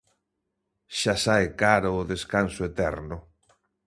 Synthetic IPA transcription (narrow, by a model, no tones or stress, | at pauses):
ʃasaekaɾʊːðeskansʊet̪ɛɾnʊ